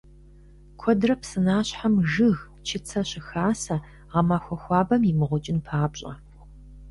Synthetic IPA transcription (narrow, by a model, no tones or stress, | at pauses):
kʷʰɔdrɐpsɨnaːɕħamʒɨɣ | t͡ʃʰɪt͡sʰɐɕɪxaːsɐ | ʁɐmaːxʷɔxʷɑːbɐmjɪmɨʁʷʊt͡ʃʼɪnpʰaːpɕʼɐ̰